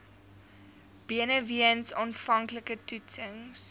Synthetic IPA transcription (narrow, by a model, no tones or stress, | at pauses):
b̥iənəviənsɑːnfɐŋkləkətutəŋs